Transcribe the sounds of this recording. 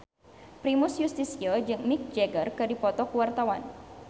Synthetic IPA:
pɾimusjust̪isiod͡ʒɨŋmɪk̚d͡ʒɛɡərkɨdipɔt̪ɔkuwart̪awan

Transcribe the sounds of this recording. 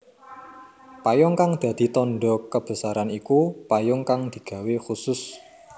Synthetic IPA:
pajɔŋkaŋd̪̥a̤d̪̥i̤t̪ɔnɖɔkəb̥ə̤saɾanikupajɔŋkaŋd̪̥i̤ɡ̥ä̤wexusʊs

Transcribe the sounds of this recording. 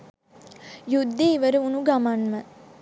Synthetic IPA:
jud̪ːeːʋəɾəunuɡamanmə

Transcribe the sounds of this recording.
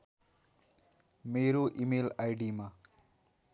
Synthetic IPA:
meːɾoʔimeːlajɖima

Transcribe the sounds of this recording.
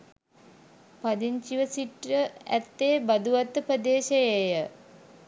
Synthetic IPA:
pad̪iɲt͡ʃiʋəsiʈɾəæ̰t̪ːeːbad̪uʋat̪ːəpəd̪eːʃejejə

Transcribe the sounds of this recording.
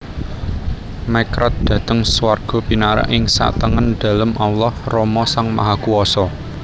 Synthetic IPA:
makɾat̪̚d̪̥ä̤t̪əŋswarɡ̥ɔ̤pinaɾa̰ʔɪŋsa̰ʔt̪əŋənd̪̥ä̤ləmʔawlɔhrɔmɔsaŋma̰ɦakuɔsɔ

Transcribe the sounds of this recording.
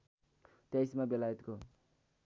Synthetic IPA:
t̪jajsmabelajt̪ko

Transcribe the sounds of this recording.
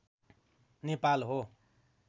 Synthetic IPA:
nepalɦo

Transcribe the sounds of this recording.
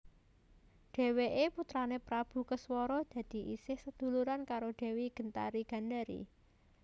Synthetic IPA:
ɖ̪̥e̤weʔeput̪ɾanepɾab̥ṳkəswɔɾɔd̪̥ä̤d̪̥i̤ʔisɪhsəd̪̥ṳluɾankaɾoɖ̪̥e̤weɡ̥ə̤nt̪a̰ɾiɡ̥a̤nd̪aɾḭ

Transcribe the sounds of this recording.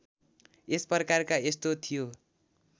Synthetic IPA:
espʌrʌkarkaest̪ot̪ʰijo

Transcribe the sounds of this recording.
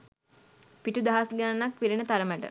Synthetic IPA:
piʈud̪aɦasɡannak̚piɾinət̪aɾəməʈə̰

